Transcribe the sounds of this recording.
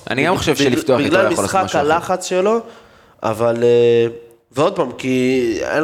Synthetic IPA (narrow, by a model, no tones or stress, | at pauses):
ʔa̰niɡamχoʃevʃelifft̪oabiɡlalmisolχaaʃhaalaχat͡sʃelo̞ | a̰vale | veo̞d̪̚pamkiḛn